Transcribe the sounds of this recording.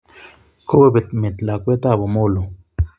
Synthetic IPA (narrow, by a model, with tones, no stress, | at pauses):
kʰo˦be˦be˨t̪me˨t̪la˨kwe˦t̪a˦˨bo˨mo˦˨lo˨